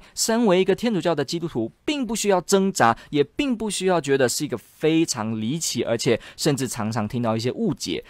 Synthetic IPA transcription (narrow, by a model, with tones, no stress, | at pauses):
sa˥nwe˧˥ɪi˧˥ɡə˧t̪ʰjɛ˥nʈ͡ʂu˨˩t͡ɕjɑ˥˩ʊd̪ə˩t͡ɕi˥t̪u˥t̪ʰu˧˥pi˥˧ŋpu˥˩ɕy˥jɑ˥˩ʊʈ͡ʂɤ˥ŋʈ͡ʂa˧˥jɛ˨˩pi˥˧˩ŋpu˥˩ɕy˥jɑ˥˩ʊt͡ɕɥɛ˧˥d̪ə˧ʂɻ̩˥˩i˧˥ɡə˧fe˥ɪʈ͡ʂʰɑ˧˥ŋli˧˥t͡ɕʰi˨˩ʔə̰˞˧˥t͡ɕʰjɛ˨˩˦ʂə˥˧nʈ͡ʂɻ̩˥˩ʈ͡ʂʰɑ˧˥ŋʈ͡ʂʰɑ˧˥ŋt̪ʰi˥ŋt̪ɑ˥˧ʊi˥˩ɕjɛ˥ʔu˥˩t͡ɕjɛ̰˨˧˥